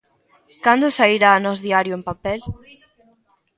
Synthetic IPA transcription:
kand̪ʊsaiɾaːnɔsðiaɾjʊempapɛl

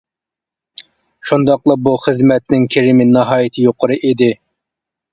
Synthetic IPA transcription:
ʃund̪ɑqlˠəbuχəzmɛt̪nɪŋkʲʰeɾɪmɪnɑɦɑːjɪt̪ʰɪjoqʰʊɾɨʔid̪ɪ

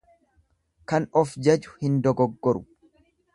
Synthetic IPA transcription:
kɐnɔfd͡ʒɐd͡ʒʊ̥hɪnd̪ɔɡɔɡːɔɾʊ

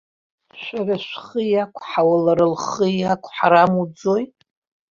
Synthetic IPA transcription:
ʃʷᶣaɾaʃʷχəjakʷʰħawalaɾɨlχəjakʷʰħaɾamud͡zojtʼ

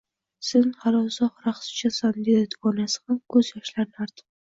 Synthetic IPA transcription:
sɪnhalɒsɒχɾaχsɪ̥t͡ʃʰasand̪ed̪ɪt̪ɒnasɪ̥hamkʰɵzjɒʃlaɾnɪaɾt̪ʰɪ̥p

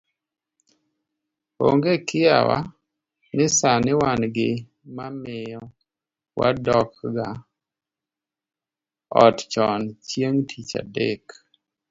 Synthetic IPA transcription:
o̰ŋɡekɪja̰wa̰ | nɪsanɪwanɡɪ | mamɪjɔ | wa̰dɔkɡa | ɔtt͡ʃɔnt͡ʃjeŋtʰit͡ʃa̰dḛk

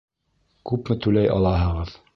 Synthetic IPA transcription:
kʉpmɘt̪ʉlæjʔɑ̰lˠɑɦɤ̆ʁɤð

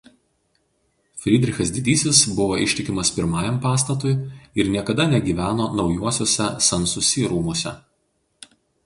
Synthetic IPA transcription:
fʲɾʲɪd̪ʲɾʲɪxʲɐs̬ʲd̪ʲɪd̪ʲiːsʲɪsbʊʋoːʔɪʃʲt̪ʲɪkʲɪmɐspʲɪɾmɑːjɛmpɑːst̪ɐt̪ʊɪɪɾnʲiɛkɐd̪ɐnʲɛɡʲiːʋʲæːnoːnɒʊjuɔsʲoɔːsʲɛsɐnsʊsʲiːɾuːmuɔːsʲɛ̰

